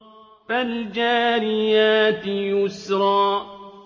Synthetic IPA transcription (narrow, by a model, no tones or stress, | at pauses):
fald͡ʒaːɾɪjaːt̪jʊsɾˤɑː